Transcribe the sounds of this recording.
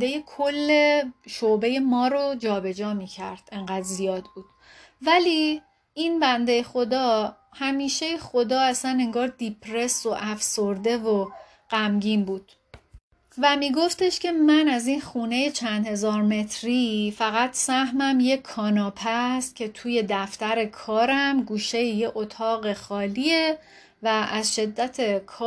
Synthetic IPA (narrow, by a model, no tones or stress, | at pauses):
d̪ejekʰolːe̞ʃobe̞je̞mɒːɾod͡ʒɒːbe̞d͡ʒɒːmiːcʰæ̰ɾd̪̥e̞ŋɢæd̪zijɒːd̪buːd̪̥ | væli | inbænd̪e̞jexo̞d̪ɒː | hæmiːʃejexod̪ɒːæsæne̞ŋɡɒːɾd̪ipʰɾe̞soʔæfsoɾd̪e̞vo | ɢ̥æmɟiːmbuːd̪̥ | væmiːɡo̞ft̪e̞ʃcʰe̞mænæzinxuːne̞jet͡ʃʰænd̪he̞zɒːɾme̞t̪ʰɾifæɣæt̪sæhmæmje̞kʰːɒːnɒːpʰæst̪̚cʰe̞t̪ʰuːje̞d̪æft̪æɾe̞kʰɒːɾæmɡuːʃe̞jejeʔot̪ʰɒːɣe̞xɒːlie | væʔæzʃe̞d̪ːæt̪ʰe̞kʰː